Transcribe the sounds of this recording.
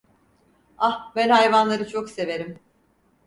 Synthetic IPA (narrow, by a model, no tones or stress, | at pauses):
ahbænhajvanlˠaɾɯt͡ʃʰokse̞ve̞ɾim